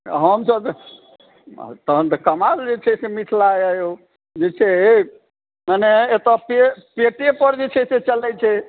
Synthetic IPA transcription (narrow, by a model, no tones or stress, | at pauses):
ɦəmsəb | t̪əɦənt̪əkəmaɾd͡ʒet͡ʃʰɛsemiʈʰlajəjo | d͡ʒet͡ʃʰɛ | maneːt̪əpepeʈepəɾd͡ʒet͡ʃʰɛset͡ʃəlɛt͡ʃʰɛ